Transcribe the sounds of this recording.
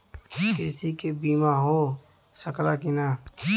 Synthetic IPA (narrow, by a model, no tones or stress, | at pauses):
kɪsikebiːmãɦoː | səkɾaːkɪnaː